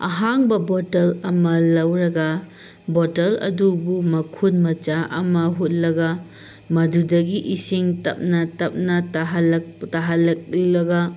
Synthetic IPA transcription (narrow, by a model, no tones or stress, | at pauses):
a̰ɦaŋbɐbotɐlɐmɐlɐwɾɐɡɐ | botɐlɐ̰dubumɐkʰunmɐt͡ʃaʔɐ̰mɐɦut̚lɐɡɐ | mɐdudɐɡiʔisiŋtɐp̚nɐtɐp̚nɐtaɦɐlɐtaɦɐlɐk̚lilɐɡɐ